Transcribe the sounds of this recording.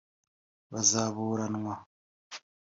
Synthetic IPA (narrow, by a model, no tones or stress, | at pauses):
βazaːβuːɾanwa